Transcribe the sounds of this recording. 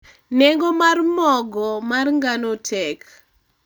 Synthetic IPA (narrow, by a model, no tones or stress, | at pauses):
nɛŋɡɔmarmɔɡɔmarŋɡanotʰɛk